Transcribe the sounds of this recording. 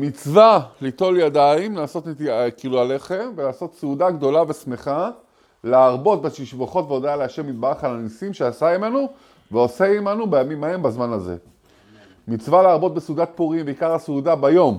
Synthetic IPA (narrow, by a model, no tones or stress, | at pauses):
mit͡svalit̪o̞ljadaimlaːso̞t̪net̪iakiiluale̞χe̞mvelaːso̞t̪seudaɡd̪o̞lavesme̞χa | leaʁbo̞t̪̚beʃiʃvoχo̞tveodealeaʃe̞mid̪̚baʁχalanisimʃeasaime̞nu | veoseimanubejamimae̞mbazmanazḛ | mit͡svaleːʁbo̞t̪̚besudat̪̚puʁimbeikaʁhaseud̪abajo̞m